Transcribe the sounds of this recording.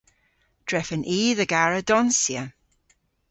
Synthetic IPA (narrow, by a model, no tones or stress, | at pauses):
d̥ɹɛfənʔiːðəɡaɹədɔnsjə